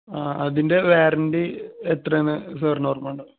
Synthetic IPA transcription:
aːɐðinde̞ʋeːɾɐndiet̪rɐnːɨsɐːrnoːrmaːɳɖɨ

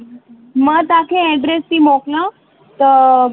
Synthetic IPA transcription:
mət̪akʰẽɛɖɾest̪iːmokna | t̪ə

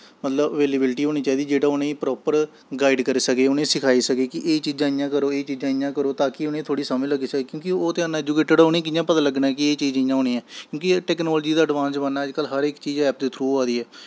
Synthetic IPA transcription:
mət̪ləbəʋeːleːbɪlʈiːɦoːñiːt͡ʃaːiːd̪iːd͡ʒeːɽãːʊnẽːpɾɔːpəɾ | ɡaːɪɖkəɾiːsəkeːʊnẽːsɪkʰaːiːsəkeːkɪʔeːt͡ʃiːd͡ʒãːɪjãːkəɾoːeːt͡ʃiːd͡ʒãːɪjãːkəɾoːt̪aːkɪʊnẽːt̪ʰoːɽiːsaːmeləɡiːsəkeːkjõːkɪoːt̪ɪaːnãːeːd͡ʒuːkeːʈəɖʊnẽːkɪjãːpət̪aːləɡnãːɛːkɪeːt͡ʃiːd͡ʒɪjãːɦoːñĩːɛ̃ːkjõːkɪʈɛːknɔːld͡ʒiːd̪aːəɖʋãːnsbənːaːəd͡ʒkəlːɦəɾɪkt͡ʃiːd͡ʒɛːp̚d̪eːt̪ʰɾuːaːd̪iːɛː

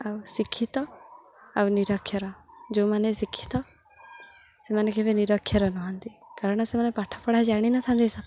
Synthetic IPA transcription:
awsikʰit̪ɔ | awniɾɔkʰjɔɾɔd͡ʒomanesikʰːi̥t̪ɔ | semanekʰebeniɾɔkʰːjɔɾɔnɔɦɔnt̪ikaɾɔɽ̃ɔsemanepaʈʰɔ̥pɔɽ̤ad͡ʒaɽ̃inat̪ʰant̪isat̪ʰ

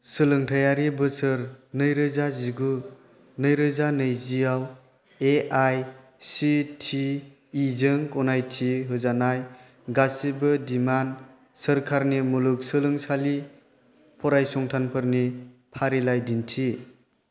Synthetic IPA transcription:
sɯlɯŋtʰajaɾibɯsɯɾnɯjɾɯzaziɡu | nɯjɾɯzanɯjzijaw | eʔaj | sitʰiː | zɯŋkɔnajtʰiɦɯzanaj | ɡasibɯdiman | səɾkʰaɾnimuluk̚sɯlɯŋsali | pʰɔɾajsɔŋtʰanpʰɯɾnipʰaɾilajdintʰi

